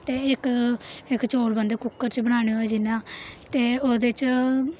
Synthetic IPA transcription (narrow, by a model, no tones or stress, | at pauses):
t̪eːɪkɪkt͡ʃoːlbənd̪eːkʊkːəɾt͡ʃbəɽ̃aːɽ̃eːɦoːɛːd͡ʒɪnːãːt̪eːoːd̪et͡ʃ